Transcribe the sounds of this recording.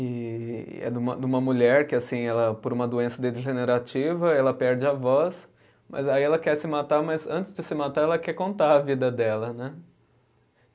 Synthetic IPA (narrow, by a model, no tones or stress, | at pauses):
ɪ̰ | ɛ̰d̪ũmɐ̰d̪ũmɐmuʎɛɾkɪasĩɛlɐpoɾũmɐd̪uẽsɐd̪eʒeneɾat͡ʃivɐɛlɐpɛɾd͡ʒɪavɔs | mʔɐ̰zaiɛlɐkɛɾsɪmat̪aɾmɐzɐ̃nt͡ʃɪzd͡ʒɪsɪmat̪aɾɛlɐkɛkõnt̪aɾɐvid̪ɐd̪ɛlɐnɛ